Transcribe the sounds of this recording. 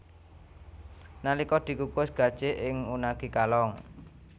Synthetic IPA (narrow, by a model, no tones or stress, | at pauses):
nalikɔd̪̥i̤kukʊsɡ̥a̤d̥ʒ̥eʔɪŋunaɡ̥i̤kalɔŋ